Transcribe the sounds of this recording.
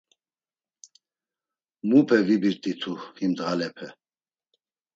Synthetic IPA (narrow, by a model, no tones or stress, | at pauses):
mupʰɛvibiɾt̪ʼit̪ʰuhimd̪ʁalɛpʰɛ